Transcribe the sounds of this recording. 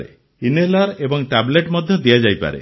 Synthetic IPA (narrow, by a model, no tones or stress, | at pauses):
ɾḛ | inelaɾebɔŋʈableʈmɔd̪ʱjɔd̪iad͡ʒajpa̰ɾḛ